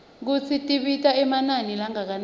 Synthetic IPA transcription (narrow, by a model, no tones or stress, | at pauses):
k̬ut͡sʰitʼiɓitʼaɛmananilaŋak̬an